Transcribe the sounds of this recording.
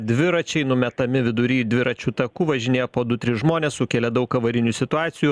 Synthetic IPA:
d̪ʲʋʲɪɾɐt͡ʃʲɛɪnʊmʲɛt̪ɐmʲɪʋʲɪd̪ʊɾʲiːd̪ʲʋʲɪɾɐt͡ʃʲuːt̪ɐkuːʋɐʒʲɪnʲeːjopoːd̪ʊt̪ʲɾʲɪsʒmoːnʲeːssʊkʲeːlʲɛd̪ɐʊkɐʋɐɾʲɪnʲuːsʲɪt̪ʊɑːt̪sʲɪjuː

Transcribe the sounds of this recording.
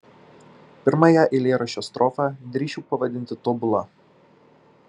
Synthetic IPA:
pʲɪɾmɑjæʔɪlʲeːɾɐʃʲoːst̪ɾɔfɑd̪ʲɾʲiːʃʲuːpɐʋɐd̪ʲɪnʲt̪ʲɪt̪ɔbʊlˠɐ

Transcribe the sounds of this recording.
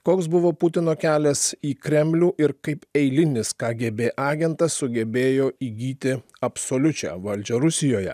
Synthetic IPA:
koːksbʊʋoːpʊt̪ʲɪnoːkʲæːlʲɛsiːkɾʲɛmʲlʲuːʔɪɾkɐɪpɛɪlʲɪnʲɪskɑːɡʲebʲeːʔɑːɡʲɛnt̪ɐssʊɡʲɛbʲeːjoːiːɡʲiːt̪ʲɪ | ɐpsoːlʲʊt͡ʃʲæ̰ːʋɐlʲd͡ʒʲɛɾʊsʲɪjoːjɛ̰

